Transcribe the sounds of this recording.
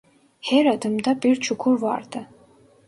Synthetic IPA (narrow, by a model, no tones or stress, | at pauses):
hɛɾad̪ɨmd̪apʼirt͡ʃʰukʷʰurva̰rd̪ʰa